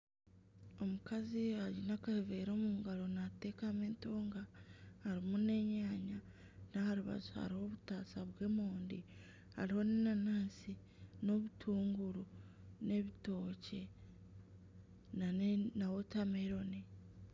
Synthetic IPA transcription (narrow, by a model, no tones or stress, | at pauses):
o̞mukaziaɟinakaheveɾo̞ːmuːuɡalo̞nateːkameːnto̞ːŋɡahaɾimune̞ɲaːɲa | nahaɾuβa̰zuha̰ɾiho̞βutaːsaβwe̞ːmoːndḭ | ha̰ɾiho̞ninanaːsi | no̞βutʰuːŋɡuɾu | ne̞βito̞ːce̞ | nanawo̞tameɾo̞ni